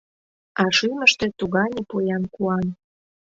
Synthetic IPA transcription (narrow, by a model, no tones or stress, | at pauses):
ɑʃyməʃt̪ĕt̪uɣɑnʲepojɑnkuɑn